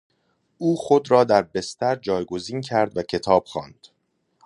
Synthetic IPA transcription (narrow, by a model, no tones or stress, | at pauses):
ʔuːxo̞d̪ɾɒːd̪æɾbe̞st̪æɾd͡ʒɒːjɡo̞ziːncʰæɾd̪væcʰe̞t̪ʰɒːb̥xɒːnd̪̥